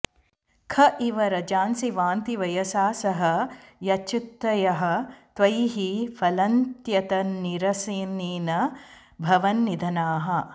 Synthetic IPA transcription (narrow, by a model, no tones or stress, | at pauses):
kʰɐʔiʋɐɾɐd͡ʒaːnsiʋaːnt̪iʋɐjɐsaːsɐɦɐjɐt͡ʃit̪ːɐjɐɦɐ̆t̪ʋɐjɦifʰɐlɐnt̪jɐt̪ɐniɾɐsiːniːnɐ | bʱɐʋɐnːid̪ʱɐnaːɦɐ